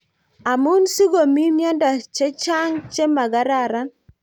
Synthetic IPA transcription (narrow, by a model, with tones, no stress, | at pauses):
a˨mu˦nsi˦ɡo˨mi˦mja˦nda˨t͡ʃɛ˦t͡ʃa˦ŋt͡ʃe˦ma˨ɡa˦ɾa˦˨ɾa˦